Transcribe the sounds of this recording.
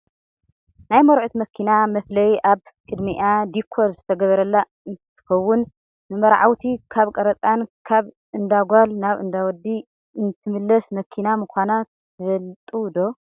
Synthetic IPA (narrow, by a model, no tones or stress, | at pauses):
najmɐɾʕut̪mɐkʰinamɐflɐjʔaβ | kʼɨd̪miʔad̪ikʰːo̞ɾzɨt̪ʰɐɡɐβɐɾɐlːa | ɨnt̪ʰɨ̥xɐwːʊn | nɨmɐɾʕa̰wt̪ʰikʰaβkʼɐɾɐt̪ʼankʰaβ | ɨnd̪aɡʷalnaβɨ̰nd̪awɔd̪ːi | ɨnt̪ʰɨmɨlːɐsmɐkʰinamɨkʷanat̪ | ɨfɐlt̪ʼud̪o̞